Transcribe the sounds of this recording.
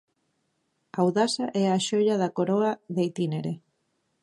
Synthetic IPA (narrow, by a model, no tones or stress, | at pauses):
awðasaʔɛaʃoʎaðɐkoɾoaðet̪ineɾe